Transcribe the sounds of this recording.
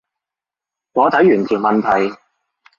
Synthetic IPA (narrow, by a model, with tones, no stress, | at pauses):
ŋɔː˨˧t̪ɐ˨˥jːyː˨˩nt̪ʰiː˨˩wmɐ˨nt̪ʰɐ˨˩j